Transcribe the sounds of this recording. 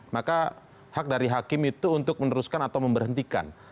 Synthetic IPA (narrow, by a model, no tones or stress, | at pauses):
maka | hak̚daɾiɦakɪmit̪uːnt̪ʊk̚mənəɾuskanat̪awməmbərɦənt̪ika̰n